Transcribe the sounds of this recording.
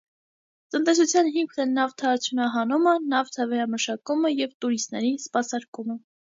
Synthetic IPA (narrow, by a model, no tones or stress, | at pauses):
t̪ənt̪ɛsut͡sʰjɑnɦimkʰnɛnɑvt̪ʰɑːt͡sʰjunɑɦɑnumənɑvt̪ʰɑvɛɾɑməʃɑkuməjɛvt̪uɾist̪nɛɾispɑsɑɾkumə